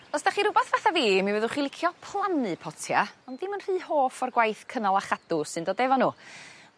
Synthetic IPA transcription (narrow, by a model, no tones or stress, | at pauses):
ɔsd̥aχiɾʊbaθvaθaviːmivɛðʊχilˠɪkʰjɔpʰlˠanɨpʰɔtʰjaɔnddɪmənr̥iːhoːfɔrɡwajθkʰənalˠaχad̥ʊsɨndɔːdɛvɔnuː